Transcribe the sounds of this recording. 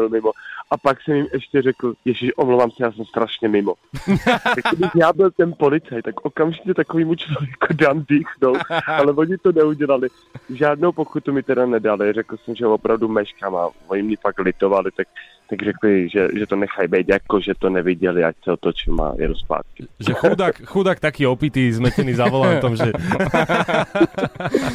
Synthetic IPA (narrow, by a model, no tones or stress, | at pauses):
bɪlmɪmoʔapaksɛmjɪmʔɛʃcɛrɛkl̩jɛʃɪʃʔomlowvaːmsɛjaːsɛmst̪ɾaʃɲɛmɪmo | jakodɪçjaːbɪlt̪ɛnpo̞lɪt͡sajt̪ːakʔo̞kamʒɪcɛt̪akoviːmut͡ʃlovjɛkudamdiːxnowʔalɛvo̞ɲɪt̪onɛuɟɛlalɪ | ʒaːdnowpokut̪umɪt̪ɛdanɛdalɪrɛkl̩sɛmʒɛvopɾʔavdumɛʃkama̰voɲɪmɲɛfaklɪt̪ovalɪt̪ak̚ | t̪aɡr̝ɛklɪʒɛʒɛt̪onɛxajbɛjt̪jakoʒɛt̪onɛvɪɟɛlɪʔa̰csɛot̪ot͡ʃɪlma̰jɛ̰duspa̰ːt̪̚kɪʒɛxudakxudak̚t̪akiopiːt̪izmɛcɛnizavolaft̪omʒɛ